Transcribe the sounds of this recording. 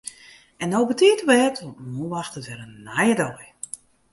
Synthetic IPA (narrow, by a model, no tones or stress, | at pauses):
ɛnowbətiətəʋɛːtʰɔmuʋaxtətʋɛɾənːajədɔj